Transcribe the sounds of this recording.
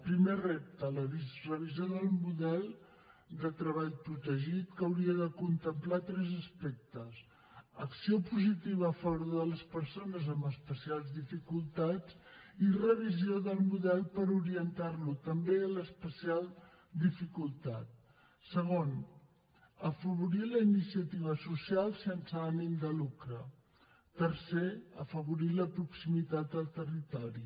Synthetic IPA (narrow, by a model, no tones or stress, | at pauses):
pɾimerep̚t̪ələβizrəβizijoðəlˠmuðɛlˠ | d̪ət̪ɾəβaʎpɾut̪əʒit̪kəwɾiəðəkunt̪əmplat̪ɾɛzəspɛk̚t̪əs | əksiopuzit̪iβ̞əːfɔβoɾððələspəɾsonəzəmbəspəsialˠzðifikulˠt̪ad͡zirəβ̞izioðəlˠmuðɛlˠpəɾuɾiənt̪arlut̪əmbeələspəsialˠ | d̪ifikulˠt̪at̪̚ | səɣ̞on | əfəβ̞uɾiləinisiət̪iβ̞əsusialˠsensəanimd̪əlukɾə | t̪əɾseə̰fəβ̞uɾiləpɾuksimit̪at̪̚əlˠt̪ərit̪ɔɾi